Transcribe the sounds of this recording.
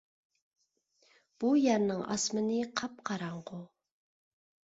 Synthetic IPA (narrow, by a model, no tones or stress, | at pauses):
b̥ujɛɾnɪŋʔɑ̰smɨnɪqʰɑp̚qʰɑɾɑɴqʊ